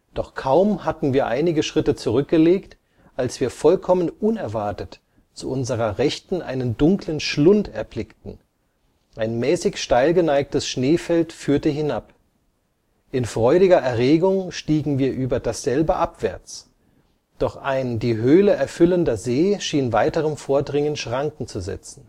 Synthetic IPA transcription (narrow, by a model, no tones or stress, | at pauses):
d̥ɔχkʰaʊmhatn̩viːɐʔaɪnɪɡəʃʁ̥ɪtət͡suʁʏk̚ɡ̥əleːkt | ʔalsv̥iːɐfɔlkʰɔmənʔʊnɛɐvaɐtət | t͡suʔʊnzəʁɐʁɛçtn̩ʔa̰ɪnəndʊŋklənʃlʊntɛɐblɪktn̩ | ʔaɪnmɛːsɪçʃtaɪlɡənaɪk̚təsʃneːfɛltfyːɐtəɦɪnap | ʔɪnfʁ̥ɔʏɾɪɡɐɛɐʁeːɡʊŋʃtiːɡŋ̩viːɐʔyːbɐdasz̥ɛlbəʔapv̥ɛɐt͡s | d̥ɔχʔaɪndiːɦøːləʔɛɐfʏləndɐzeːʃiːnvaɪtəʁəmfoːɐdʁɪŋənʃʁ̥aŋkŋ̩t͡suzɛ̰t͡sn̩